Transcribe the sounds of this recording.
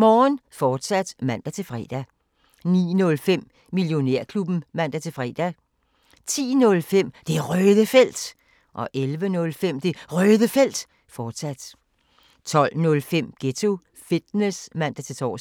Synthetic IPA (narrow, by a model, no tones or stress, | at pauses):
mɒːnfɒːd̥sæd̥mæn̰d̥æt͡sʰe̝lfʁɛ̰ːd̥æ | nḭːnɔ̽lfem̰ː | iljo̝ne̝ɐ̰kʰlub̥n̩mæn̰d̥æt͡sʰe̝lfʁɛ̰ːd̥æ | t͡sʰḭːnɔ̽lfem̰d̥e̝ʁœːðˠəfel̰d̥ | ʔɒ̽ʔelʋənɔ̽lfem̰d̥e̝ʁœːðˠəfel̰d̥ | fɒːd̥sæd̥ | t͡sʰɒ̽l̰nɔ̽lfem̰ɡ̥et͡sʰo̝ | fid̥nesmæn̰d̥æt͡sʰe̝t͡sʰɒ̰ː